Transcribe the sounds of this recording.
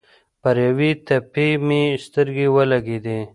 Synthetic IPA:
paɾjawit̪apemist̪əɾɡewəlaɡed̪e

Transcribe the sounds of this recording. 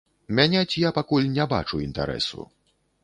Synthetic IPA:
mʲanʲɛt͡sʲijapakulʲnʲɛba̰t͡ʂuint̪a̰ɾɛ̰sṵ

